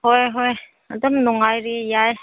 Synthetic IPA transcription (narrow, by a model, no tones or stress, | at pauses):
hɔjɦɔj | əd̪ɔmnɔŋajɾijaj